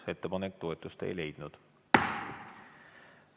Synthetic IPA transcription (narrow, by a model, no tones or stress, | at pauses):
se̞t̪ːepɑnekt̪o̞e̞t̪ːˑust̪ḛjle̞jd̪̥nud̪̥